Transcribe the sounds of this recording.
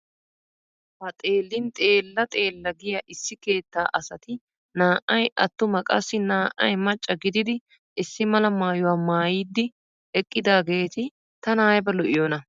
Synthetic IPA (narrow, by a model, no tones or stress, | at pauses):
hɐt̪ʼe̞ːlːɪnt̪ʼeːlːɐt̪ʼeːlːɐɡɪjɐʔɪsːɪke̞ːt̪ːaːʔɐsɐt̪ɪ | naːʔɐjɐt̪ːʊmɐkʼɐ̰sːɪnaːʔɐjmɐt͡ʃʼːɐɡɪd̪ɪd̪ɪ | ʔɪsːɪmɐlɐmaːjʊwaːmaːjiːd̪ːɪ | ɛkʼːɪd̪aːɡe̞ːt̪ɪ | t̪ɐnaːjbɛlɔʔɪjoːnɐ